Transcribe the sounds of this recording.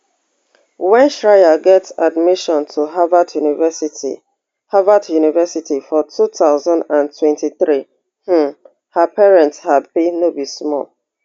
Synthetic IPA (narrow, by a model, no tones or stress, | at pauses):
wɛ̃nʃɹaɪjaɡɛtadmɪʃɔ̃ntʰuɦavadjunivɛsitḭ | havadjunivɛsitifɔtʰutʰaʊzãndãntʰwɛ̃ntiθɹi | h̩ | həpɛɹɛ̃ntshapinobismɔ̰l